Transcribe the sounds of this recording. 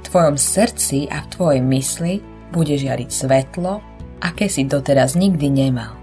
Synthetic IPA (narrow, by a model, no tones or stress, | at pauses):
ft̪ʋɔjɔmsr̩t͡sia̰ft̪ʋɔjɛjmisli | buɟɛʒɪaɾicsʋɛt̪lɔ | ʔakɛːsid̪ɔt̪ɛɾazɲiɡd̪iɲɛma̰l